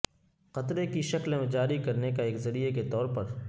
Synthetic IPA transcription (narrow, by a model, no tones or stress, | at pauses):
qɐt̪ɾekiʃɐklmẽd͡ʒaːɾikɐɾnekaeːkzɐɾieket̪ɔːɾpɐɾ